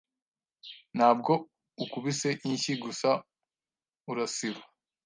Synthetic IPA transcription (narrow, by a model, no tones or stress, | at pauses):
nhaːb̚ɡo̞ | ukuβiseʔiɲçiɡusa | uɾasiβa